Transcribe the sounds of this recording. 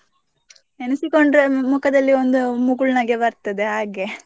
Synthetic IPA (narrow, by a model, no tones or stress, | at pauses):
enusikoɳɖɾemukɐd̪ɐlːiond̪umuɡuɭnɐɡeʋɐɾt̪ɐd̪eɦaːɡe